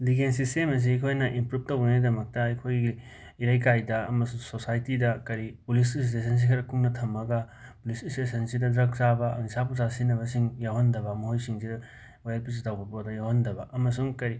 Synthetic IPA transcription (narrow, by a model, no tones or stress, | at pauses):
liɡensistemɐs̬iɐkʰojnɐʔimpɾup̚tɐwɡɐnidɐmɐk̚tɐɐkʰojɡi | iɾajk̬ajdɐɐ̰mɐsuŋsosajtidɐkɐɾipulis̬is̬tes̬ɐns̬ikʰɐɾɐkuŋnɐtʰɐmɐɡɐ | pulisistesɐnsidɐdɾɐk̚sabɐnisapusasinɐβɐsiŋjawhɐndɐbɐmɐɦojsiŋsidɐ | wajɐlpis̬tawbɐpodɐjawhɐndɐbɐʔɐmɐsuŋkɐɾi